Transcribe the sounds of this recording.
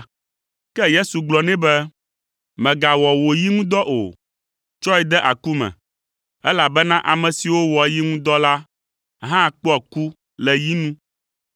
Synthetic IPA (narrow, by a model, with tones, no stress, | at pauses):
kɛ˦je˦su˨ɡ͡blɔ˨nɛ̃˦bɛ˦ | mɛ̃˨ɡa˨wɔ˨wo˨ji˦ŋũ˦d̪ɔ˦ʔo̰˨ | t͡ʃɔ˦ɛ˨d̪ɛ˦ʔa˨ku˦mɛ̰̃˨ | ɛ˦la˨bɛ˦nã˦ʔa˨mɛ̃˨si˨wo˦wɔ˨ji˦ŋũ˦d̪ɔ˦la˦ | ɦã˦˨k͡pɔ˦a˨ku˦ | lɛ˨ji˦nũ˦